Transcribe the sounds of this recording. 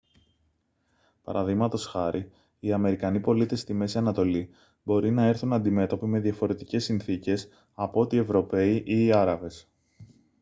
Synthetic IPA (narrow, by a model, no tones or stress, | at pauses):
pɐ̰ɾɐðiɣmɐt̪o̞sxɐɾʔi | iɐme̞ɾikɐnipo̞lit̪e̞st̪ime̞siɐnɐt̪o̞li | bo̞ɾinɐe̞ɾθunɐnd̪ime̞t̪o̞pime̞ðjɐfo̞ɾe̞t̪ice̞sːinθice̞s | ɐpoot̪ie̞vɾo̞pe̞iʔiːɐɾɐve̞s